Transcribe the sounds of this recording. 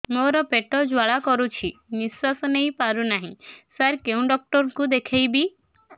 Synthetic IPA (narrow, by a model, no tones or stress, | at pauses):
moɾɔpeʈɔd͡ʒwaɭakɔɾut͡ʃʰimiswasɔnejpaɾunaɦĩsaɾkeũɖɔk̚ʈɔɾkud̪ekʰejbi